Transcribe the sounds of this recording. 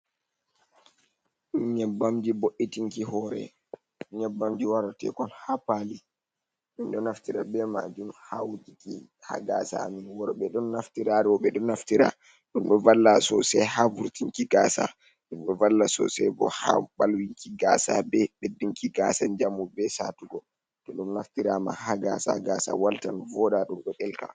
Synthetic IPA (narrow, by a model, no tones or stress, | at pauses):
ɲɛbːamd͡ʒiboʔːitiŋkihɔɾɛ̰ | ɲɛbːamd͡ʒiwaɾatɛ̰kɔnhapali | minɗɔnaftiɾa̰bɛma̰d͡ʒumhawd͡ʒiki | ha̰ɡasa̰minwɔɾɔɓɛɗɔnːaftiɾaɾɛwɔɓɛɗɔnaftiɾa̰ | ɗumɗɔvalːasɔsɛhavuɾtiŋkiɡasa̰ | ɗumɗɔvalːasɔ̰sɛbɔha̰ɓalwiŋkiɡaːsa̰bɛɓedːiŋkiɡasand͡ʒamubɛsa̰tuɡɔ | tɔɗumnaftiɾama̰haɡa̰sa̰ɡasa̰waltanvɔdaɗumɗɔɗɛlka̰